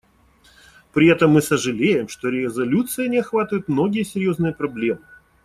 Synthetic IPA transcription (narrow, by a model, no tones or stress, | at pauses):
pɾʲɪɛt̪əmːɨsəʐɨlʲejɪmʂt̪o̞ɾʲɪɪzɐlʲut̪sɨjənʲɪɐxvat̪əvʊt̪mno̞ɡʲɪjəsʲɪjo̞znɨjəpɾɐblʲe̞mɨ